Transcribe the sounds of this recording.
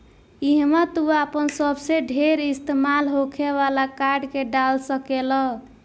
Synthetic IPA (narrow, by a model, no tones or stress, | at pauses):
iɦmat̪uapənsəbseɖʱeɾist̪emalɦokʰeβalakaɾɖkeɖalsəkelɔ